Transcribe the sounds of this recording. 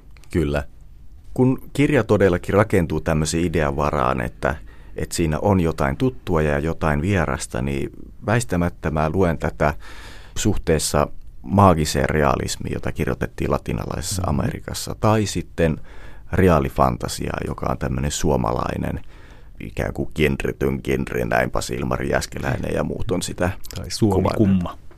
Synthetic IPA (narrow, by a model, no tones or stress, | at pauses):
kylːæ | kunkirjɑt̪odelːɑkirɑkent̪uːt̪æmːøseːideɑʋɑrɑ̰ːnḛt̪ːæ̰ | et̪siːnæ̰ʔonjot̪ɑint̪ut̪ːuɑjɑjɑjot̪ɑinʋierɑ̰st̪ɑ̰nḭːʋæist̪æmæt̪ːæmæːluent̪æt̪æsuht̪eːsːɑmɑːɡiseːreɑ̰lḭsmiːjot̪ɑkirjot̪et̪ːiːlɑt̪inɑ̰lɑise̥ssːɑɑmḛrikɑsːɑt̪ɑisit̪ːenreɑlifɑnt̪ɑsḭɑ̰jokɑont̪æmːønensuomɑ̰lɑ̰inḛn | ʔḭkæ̰ːŋkukinrit̪yŋkinrḭnæimpɑsilmɑriæskelʔæinḛjɑmṵːt̪onsit̪æṵkumːɑ